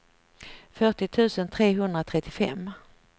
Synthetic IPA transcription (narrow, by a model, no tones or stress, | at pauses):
fœʈɪt̪ʰʉ̟ːsənt̪ʰɾeːɦɵnd̪ɾat̪ʰɾɛt̪ːɪfɛ̰mː